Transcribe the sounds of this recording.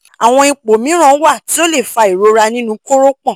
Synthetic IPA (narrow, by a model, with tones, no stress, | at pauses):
a˨w̃ɔ̃˧i˧k͡po˨mĩ˨˦ɾ̃ã˦wa˦˨ti˨˦o˦le˦˨fa˧i˨ɾo˧ɾa˧nĩ˦nũ˦ko˦ɾo˦k͡pɔ̃˦˨